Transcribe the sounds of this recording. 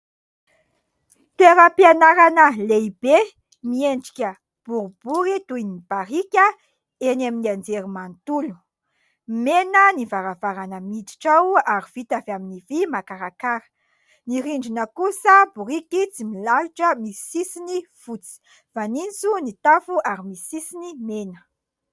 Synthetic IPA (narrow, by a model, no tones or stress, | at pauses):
t̪eɾəpianaɾanəleib̥e | mieɳɖ͡ʐi̥kʲə | b̥uɾub̥uɾit̪ujnib̥aɾikʲə | enaminiand͡zeɾimant̪ulu̥ | menənivaɾavaɾanəmid̪i̥ʈ͡ʂawaɾiv̥it̪aveaminivimakaɾakaɾə̥ | niɾiɳɖ͡ʐinəkusəbuɾikit͡similaluʈ͡ʂəmisisinifut͡si̥ | v̥anint͡sunit̪afuʔaɾimisisinimenə̥